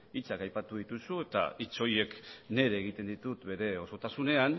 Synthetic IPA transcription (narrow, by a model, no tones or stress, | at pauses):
it͡sakajpat̪uð̞it̪usue̞t̪a̰it͡so̞je̞kne̞ɾeːɣit̪e̞nd̪it̪ut̪be̞ɾe̞o̞so̞t̪asune̞an